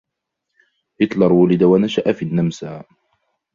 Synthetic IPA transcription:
hɪt̪lɑɾˤwʊlɪd̪awanaʃaʔafiːnːamsaː

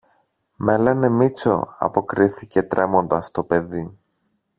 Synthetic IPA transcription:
me̞le̞ne̞mit͡so̞̰ɐ̰po̞kɾiθice̞t̪ɾʔe̞mo̞nd̪ɐst̪o̞pe̞ði

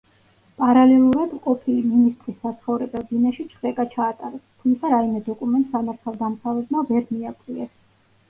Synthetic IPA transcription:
pʼaɾalɛlˠuɾad̪mqʼɔpʰiminist̪ʼɾisːat̪sʰχɔvɾɛbɛlˠd̪inaʃit͡ʃʰχɛkʼat͡ʃʰaːt̪ʼaɾɛst̪ʰumt̪sʰaɾaimɛd̪ɔkʼumɛnt̪ʼsamaɾt̪ʰalˠd̪amsavɛbmavɛɾmiakʼliɛs

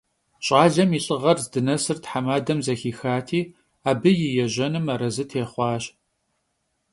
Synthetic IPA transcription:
ɕʼɑːɮɐmiːɕʼɨʁɐrzdɨnɐsɨrtħamaːdɐmzɐxiːxaːtʰiː | aːbɨjɪjɛʑɐnɨmɐɾɐzɨtʰeːχʷɑːɕ

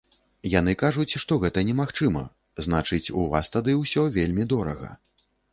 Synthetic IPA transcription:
jan̪ɨkaʐut͡sʲʂt̪ɔɣɛt̪ɐnʲɛmaxt͡ʂɨmɐ̰ | zn̪at͡ʂɨt͡sʲuva̰st̪ad̪ɨwsʲɔvʲelʲmʲid̪ɔɾɐ̰ɣɐ̰

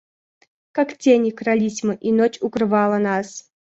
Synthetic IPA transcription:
kaktʲenʲɪkɾalʲisʲmɨʔinot͡ɕʊkɾɨvɑlˠənas

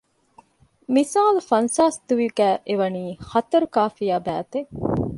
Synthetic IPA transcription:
misaːlufɐnsaːsd̪uʋiɡæːʔeʋɐniːxɐt̪ɐɾukaːfijaːbæːt̪e

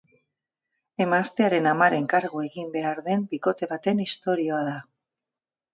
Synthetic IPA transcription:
e̞mast̪e̞aɾe̞namaɾe̞ŋkaɾɣoe̞ɣimbe̞aɾðe̞mbiko̞t̪e̞β̞at̪e̞nist̪o̞ɾio̞aða

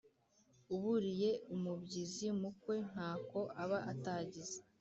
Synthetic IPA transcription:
uβuɾije̞umubɟizimukwe̞n̥haːko̞ʔaβaʔataːɟize

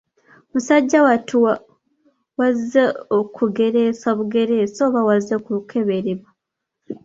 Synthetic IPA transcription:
musaɟːawatʰuwa | wazeokʰuɡe̞ɾe̞soβuɡe̞ɾe̞ːsoːβawazekukʰe̞βe̞ɾeβwa

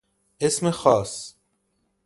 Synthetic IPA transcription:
ʔesmexɒːs

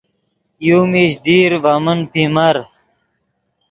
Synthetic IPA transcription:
juːmiɕd̪iːɾvamənpimɐɾ

